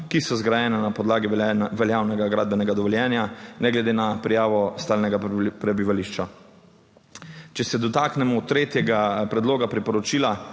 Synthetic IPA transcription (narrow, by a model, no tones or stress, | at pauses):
kisɔzɡɾajɛːnɛnapɔd̪laːɡiʋɛljaːwnɛɡaɡɾaːd̪bɛnɛɡad̪ɔʋɔljɛːnjanɛɡlɛd̪eːnapɾijaːʋɔst̪aːlnɛɡapɾɛbiʋaliʃt͡ʃa | t͡ʃɛsɛd̪ɔt̪aːknɛmɔt̪ːɾeːt̪jɛɡapɾɛd̪loːɡapɾipɔɾɔt͡ʃiːla